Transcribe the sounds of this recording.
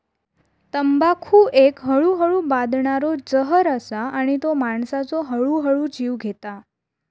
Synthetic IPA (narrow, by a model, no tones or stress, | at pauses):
t̪əmbakʰuʔekɦəɭuɦəɭũbad̪ɳaɾod͡ʒəɦəɾəsaʔənet̪omaɳsat͡ʃoɦəɭuɦəɭũd͡ʒiʋɡʱet̪a